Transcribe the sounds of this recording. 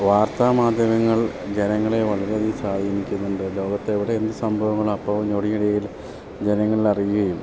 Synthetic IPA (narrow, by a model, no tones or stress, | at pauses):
ʋaːrt̪aːmaːd̪ʱjɐʋɐŋːɐɭd͡ʑenɐŋːɐɭe̞ʋɐɭɐɾeðisaːjiinikʲːunːuɳɖɨlo̞ːɡɐt̪ːeːʋiɽeːnd̪ɨsɐmbʱɐʋɐŋːɐɭɐpːɐʋɐmɲoɽiŋɐɽɐjil | d͡ʑe̞nɐŋːɐɭilɐrijɣɐjum